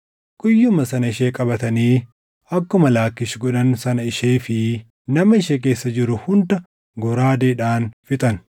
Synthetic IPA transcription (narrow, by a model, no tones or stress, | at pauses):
kʼʊjːʊmɐsɐnɐɪʃe̞ːkʼɐbɐt̪ɐniː | ɐkːʊmɐlaːkːɪʃɡɔᶑɐnsɐnɐɪʃeːfɪ | nɐmɐɪʃek̬e̞ːsːɐd͡ʒɪɾʊhʊnd̪ɐ | ɡɔɾaːd̪eːᶑaːnfɪt̪ʼɐn